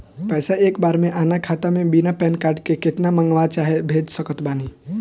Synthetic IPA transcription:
pɛːsaeːkbaːɾmẽʔaːnakʰaːt̪amẽbinapɛːnkaːɾʈkekɪt̪namə̃ŋɡʋat͡ʃaːɦebʱeːd͡ʒsəkət̪baːni

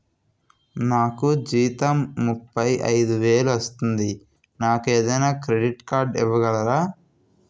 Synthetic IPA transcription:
naːkud͡ʒiːt̪ɐmːupːɐjʔɐ̰jd̪uʋeːluɐst̪und̪i | naːkeːd̪ɐjnaːkɾe̞ɖiʈkaːɾɖiʋːɐɡɐlɐɾaː

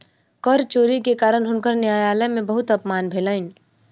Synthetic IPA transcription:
kɔɾt͡ʃoːɾikekaːɾənɦʊnkəɾnjaːjaːləmẽbəɦʊt̪ɐpmaːnbʱeːlaːɪn

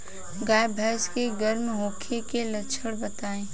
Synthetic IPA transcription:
ɡaːjbʱɛːskeɡɐɾmɦoːkʰekelɐʃʰəɽbɐt̪aːẽː

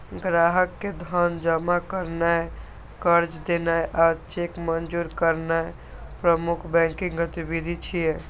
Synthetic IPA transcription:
ɡɾaɦəkːed̪ʱənd͡ʒəmakəɾnaj | kəɾd͡ʒd̪enaʔat͡ʃekmənd͡ʒuɾkəɾna | pɾəmukʰbɛ̃ŋkĩŋɡət̪ibid̪ʱit͡ʃʰije

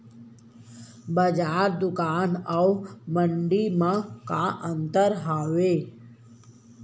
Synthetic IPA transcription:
bəd͡ʒaːɾd̪ʊkaːnawməɳɖimãkaʔənt̪əɾɦaːʋeː

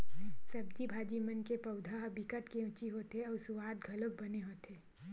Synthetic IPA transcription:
sɐbd͡ʒibʱaːd͡ʒimənkepɐʊd̪ʱaɦbikəʈkeʊt͡ʃiɦot̪eɔːɾsʊʋaːd̪ɡʱɐlok̚bɐneɦoːt̪eː

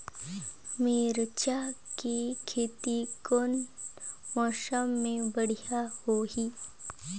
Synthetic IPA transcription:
meːɾt͡ʃakekʰeːt̪ikon | mɔːʃəmːẽbɐɽ̤ijahoɦiː

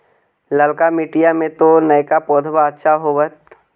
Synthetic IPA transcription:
ləlkamiːʈijamẽt̪onɐjkapɔːd̪ʱbaːt̪ːʃaɦoʋət̪

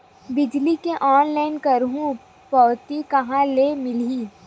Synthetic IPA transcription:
bɪd͡ʒlikeʔɔːnlaːɪnkɐɾɦũ | pɔːt̪ikɐɦãlemɪliː

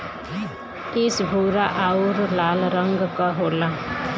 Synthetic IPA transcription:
ɪsbʱuːɾaʔaʊɾlaːlɾəŋɡkaɦoːla

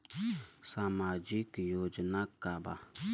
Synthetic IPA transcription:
samad͡ʒikjod͡ʒənakaba̰

